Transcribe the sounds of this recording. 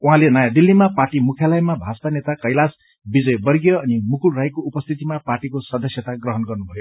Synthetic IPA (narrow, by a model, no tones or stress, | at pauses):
uɦãlenʌjad̪ilːimaparʈimukʰjalʌjmabʱast̪anet̪akʌjlas | bid͡zʌjbʌrɡjʌʌnimukulrajkoupʌst̪ʰit̪imaparʈikosʌd̪ʌsjʌt̪aɡrʌɦʌnɡʌrnubʱʌjo